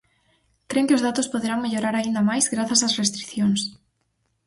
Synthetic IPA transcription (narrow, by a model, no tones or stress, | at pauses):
kɾeŋkɪozðat̪ʊspoðeɾaŋmeʎoɾaɾaind̪amajzɣɾaθɐsasrest̪ɾi̥θjoŋs